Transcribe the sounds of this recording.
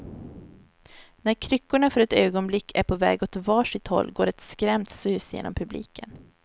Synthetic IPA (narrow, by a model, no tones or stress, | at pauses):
næɾkʰɾʏkːʊɳafœɾɛt̪øːɡɔnblɪkːʰæɾpʰɔvɛ̰ːɡɔt̪vɑːʂɪt̪hɔ̰lːɡoːɾɛt̪skɾɛmt̪sʉ̟ːsjḛːnɔ̰mpʰɵblḭːkʰə̰n